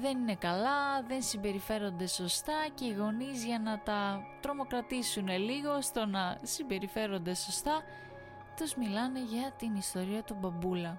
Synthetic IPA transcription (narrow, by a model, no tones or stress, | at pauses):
ðe̞nine̞kɐlɐðe̞nsimbe̞ɾife̞ɾo̞nd̪e̞so̞st̪ɐce̞iɣo̞nizʝɐnɐt̪ɐt̪ɾo̞mo̞kɾɐt̪isune̞liɣo̞st̪o̞nɐsimbe̞ɾife̞ɾo̞nd̪eso̞st̪ɐ | t̪uzmilɐne̞ʝɐt̪inist̪o̞ɾiɐt̪ubɐbulɐ